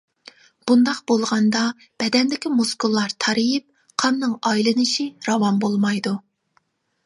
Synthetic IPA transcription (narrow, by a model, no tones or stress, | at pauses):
b̥und̪ɑqbolˠʁɑnd̪ɑ | b̥ɛd̪ɛnd̪ɪkʲimuskulˠːɑɾt̪ʰɑɾɨjip̚ | qʰɑmnɨŋɑjlɨnɨʃiɾɑwɑmbolˠmɑjd̪u